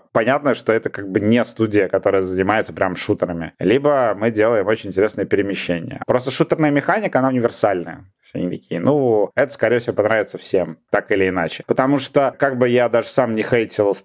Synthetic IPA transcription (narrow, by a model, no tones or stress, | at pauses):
pɐnʲat̪nəʂt̪o̞ɛt̪əkaɡ̚bɨnʲest̪udʲɪjəkɐt̪o̞ɾəjəzənʲɪmajɪt̪səpɾʲamʂut̪əɾəmʲɪ̰lʲibəmɨdʲelˠəjɪmot͡ɕɪnʲɪnʲtʲɪɾʲesnəjəpʲɪɾʲɪmʲɪɕːenʲɪ̰jə̰pɾo̞st̪əʂut̪ərnəjəmʲɪxanʲɪkəɐnaʊnʲɪvʲɪrsalʲnəjə̰t̪ot̪ʲnʲɪt̪ɐkʲijənʔuɛt̪ə̥skɐɾʲejfsʲɪvʲopɐnɾavʲɪt̪səfsʲemt̪akɪlʲɪɪnat͡ɕɪ̥pət̪ɐmuʂt̪okaɡ̚bɨjad̪aʐɨsamnʲɪxejtʲɪlˠ